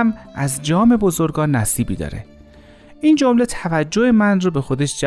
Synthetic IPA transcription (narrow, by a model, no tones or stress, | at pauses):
mʔæzd͡ʒɒːme̞bo̞zo̞ɾɡɒːnːæsiːbḭːd̪ɒ̰ːɾḛ | ʔind͡ʒo̞mle̞t̪ʰævæd͡ʒːoemænroːbe̞xo̞d̪e̞ʃd͡ʒæ